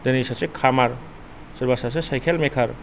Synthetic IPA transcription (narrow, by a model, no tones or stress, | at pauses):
d̪enisasekʰamaɾ | səɾbasas̬esajkʰelmekʰaɾ